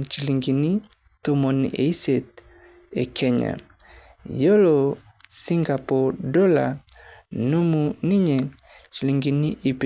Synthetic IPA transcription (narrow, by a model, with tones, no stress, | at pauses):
t͡ʃi˨li˨ŋɡi˨ni˦ | t̪o˨mɔ˨n̰˨ʔḛ˨i˦se˨t̪̚ | ḛ˨kʰɛ˦ɲa̰˨ | jo˦lo˨ | si˦ŋɡa˨pɔ˨dɔ˦la̰˨ | nu˦mu˨ni˦ɲe˨ | t͡ʃi˨li˨ŋɡi˨ni˦ʔi˨p